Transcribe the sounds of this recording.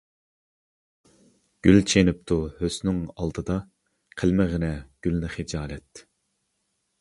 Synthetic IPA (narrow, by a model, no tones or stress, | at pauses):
ɡ̥ʲylt͡ʃʰenyp̚t̪ʰuhøsnɪŋɑ̰lˠd̪ɨd̪ɑ | qʰəlmɪʁənɛɡ̥ʲylnɪχɪd͡ʒɑːlɛt̪